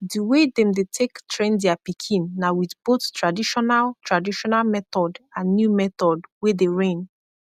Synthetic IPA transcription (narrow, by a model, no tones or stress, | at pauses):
diwedɛ̃mdetʰektʰɹẽndɛapikʰĩnːawiθboθtɹadiʃɔnaltɹadiʃɔnalmɛθɔdãnːjumɛθɔdwedeɹẽn